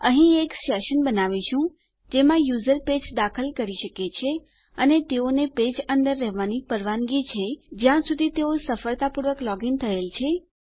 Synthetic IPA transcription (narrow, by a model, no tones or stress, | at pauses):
əɦĩeksɛʃənbənaʋiʃũ | d͡ʒemãjuzəɾped͡ʒd̪akʰəlkəɾiʃəket͡ʃʰe | ənet̪eoneped͡ʒənd̪əɾːɛɦʋanipəɾʋanɡit͡ʃʰed͡ʒjãsud̪ʱit̪eosəfəɭt̪apuɾʋəklɔɡint̪ʰəelt͡ʃʰe